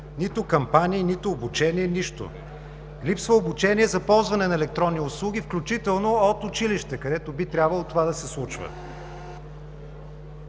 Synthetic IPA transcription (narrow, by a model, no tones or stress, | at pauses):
nit̪ʊkɐmpanʲiːnit̪ʊːbut͡ʃɛniɛniʃt̪ʊ̰ | lipsvəobut͡ʃɛniɛzɐpɔlˠzvɐnɛnɐɛlɛk̚t̪ɾɔnːiʊslˠuɡ̟ʲifklʲʊt͡ʃit̪ɛlˠnoot̪ʊt͡ʃiliʃt̪ɛkɐd̪ɛt̪obit̪ɾʲabvəlˠot̪ovad̪ɐsɛslˠut͡ʃvə̰